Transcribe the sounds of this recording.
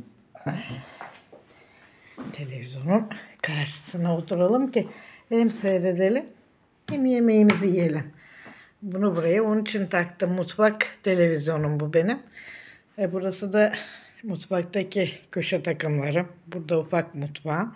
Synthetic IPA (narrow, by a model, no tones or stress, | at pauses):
t̪ʰe̞lʲe̞vizʲjo̞nunkʰaɾʃɯ̥sɯnaot̪ʰuɾalˠɯmcɪhɛmsøjɾe̞d̪e̞lʲim | jimije̞me̞jimizijije̞lʲim | bunubuɾajaonunit͡ʃʰint̪ʰakt̪ʰɯmːut̪fakt̪ʰe̞lʲe̞vizjo̞numbube̞nim | ɛbuɾasɯd̪a | mut̪fak̚t̪acicʰøʃɛt̪ʰakɯmlˠaɾɯmbuɾd̪aufak̚mut̪va